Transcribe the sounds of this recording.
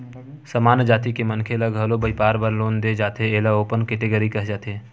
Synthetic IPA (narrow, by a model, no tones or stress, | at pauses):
səmaːnd͡ʒaːt̪ikemənkʰeləɡʱəlobəipaːɾbəɾloːnd̪ed͡ʒaːt̪eeːlaoːpənkɪt̪eɡəɾikəɦd͡ʒaːt̪eː